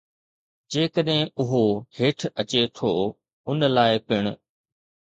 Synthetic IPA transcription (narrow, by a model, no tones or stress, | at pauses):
d͡ʑeːkəɗɦɪ̃ʊɦoheːʈʰɐt͡ɕet̪ʰoː | ʊnəlaːɪpɪɽ̃ʊ